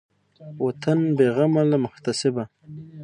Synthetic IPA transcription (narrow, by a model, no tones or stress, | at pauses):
wat̪anbeɣamalamʊxt̪asɪba